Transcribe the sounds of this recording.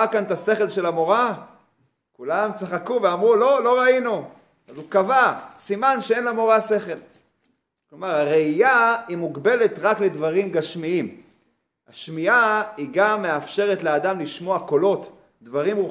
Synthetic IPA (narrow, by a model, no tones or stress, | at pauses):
akant̪ase̞χe̞lʃe̞lamo̞ʁa | kulamt͡saχakuveamʁulo̞lo̞ʁainu | azukavasimanʃee̞nlamo̞ʁaseχe̞l | klo̞maʁaʁeijaimuɡbe̞le̞t̪ʁakle̞dvaʁimɡaʃmiim | aʃmiaiɡamːeafʃe̞ʁe̞tlead̪amliʃmo̞ako̞lo̞t̪ | d̪vaʁimu